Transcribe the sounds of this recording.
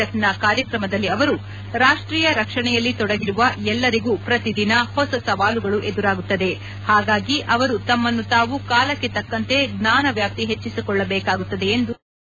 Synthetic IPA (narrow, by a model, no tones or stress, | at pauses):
ɐt̪nɐkaːɾjɐkɾɐmɐd̪ɐlːiɐʋɐɾu | ɾaːʂʈɾiːjɐɾɐkʂɐɳɛjɐlːit̪ɔɽɐɡiɾuʋɐɛlːɐɾiɡuːpɾɐt̪id̪inɐhɔsɐsɐʋaːluɡɐɭuʔed̪uɾaːɡut̪ːɐd̪e̞ | haːɡaːɡiʔɐʋɐɾut̪ɐmːɐnːut̪aːʋukaːlɐkːe̞t̪ɐkːɐnt̪e̞ɡnaːnɐʋjaːp̚t̪iɦe̞t͡ʃːisikɔɭːɐbɛːkaːɡut̪ːɐd̪e̞ːnd̪u